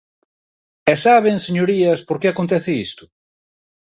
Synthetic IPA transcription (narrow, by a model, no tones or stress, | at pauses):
ɛsaβeŋseɲoɾiɐspoɾkeakont̪ɛθɪist̪ʊ̥